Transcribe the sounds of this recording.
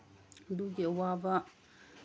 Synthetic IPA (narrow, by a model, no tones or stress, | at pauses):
d̪uɡewava